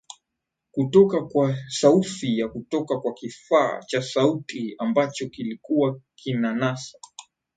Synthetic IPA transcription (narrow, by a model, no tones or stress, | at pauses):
kutɔkakwasaufijakutɔkakwakifa̰ːt͡ʃasautʰiambat͡ʃɔkilikuwakʰinanasḁ